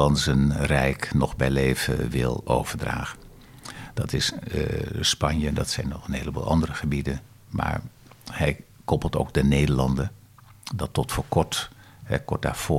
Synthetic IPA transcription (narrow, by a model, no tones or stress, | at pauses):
ɑnzənrɛjknɔχbɛjlejvə̰ʋɪ̰lˠo̰wv̥əɹdra̰ːχə | d̥ɑtɪs | spɑɲjədɑtsɛjnɔχənɦeːləbṵːlˠʔɑ̰ndərəχəbidən | ma̰ːɹ | hɛjkɔpəlˠto̰ːɡ̚dənejdəɹlɑndə | dɑtɔtfoːkɔɹt | hɛ̰kɔɹ̚da̰ːɹv̥ʊː